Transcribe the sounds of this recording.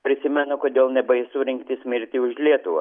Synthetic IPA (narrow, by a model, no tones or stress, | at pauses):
pʲɾʲɪsʲɪmʲɛnʊkoːd̪ʲeːlˠnʲɛbɐɪsʊɾʲɪŋkt̪ʲɪsʲmʲɪɾʲt̪ʲɪʊʒʲlʲiɛt̪ʊʋɐ̰